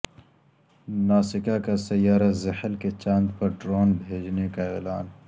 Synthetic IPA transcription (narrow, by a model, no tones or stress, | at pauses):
naːsɪkakasɐjaːɾazɐhəlket͡ʃãːnd̪pɐɾɖɾoːnbʱeːd͡ʒnekaeːlaːn